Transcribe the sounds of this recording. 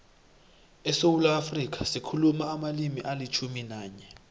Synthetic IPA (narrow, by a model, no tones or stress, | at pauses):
ɛsowulaːfrik̬ʰasikʰulumaːmalimiʔalit͡ʃʰuminaːɲɛ